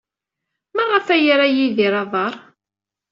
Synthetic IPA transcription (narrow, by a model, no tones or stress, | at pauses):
məʁːəfæjɾæjiðiɾˤɑðˤɑɾˤ